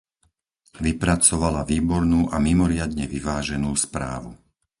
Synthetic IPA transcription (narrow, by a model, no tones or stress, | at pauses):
ʋipɾat͡sɔʋalaʋiːbɔɾnuːʔamimɔɾɪad̪ɲɛʋiʋaːʒɛnuːspɾa̰ːʋu